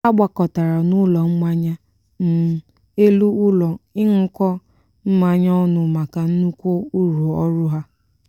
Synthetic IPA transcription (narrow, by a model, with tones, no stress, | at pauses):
a˦ɡ͡bʷa˨kɔ˨ta˨ɾa˨nʊ˦lɔ˨m̩˦ma˦ɲa˦ | n̩˨ | e˦lu˦ʊ˦lɔ˨ɪ˦ŋ̩˦kɔ˦ | m̩˦ma˦ɲ˦ɔ˦nʊ˨ma˨ka˨n̩˦nu˦kʷo˦u˦ɾu˨ɔ˦ɾʊ˦ɦa˦